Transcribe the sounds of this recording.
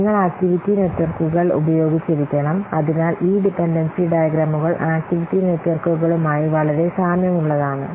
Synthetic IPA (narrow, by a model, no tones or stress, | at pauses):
ŋːɐɭaːk̚ʈiʋitːinetːʋɐrkuɣɐɭṵbɐjo̞ːɡit͡ɕːeɾikʲːɐɳɐmɐðinaːlʔiːɖipenɖɐnsiɖɐjɐɡɾaːmuɣɐɭʔaːk̚ʈiʋitːine̞tːʋɐrkuɣɐɭumaːjiʋɐɭɐɾe̞saːmjɐmuɭːɐðaːɳɨ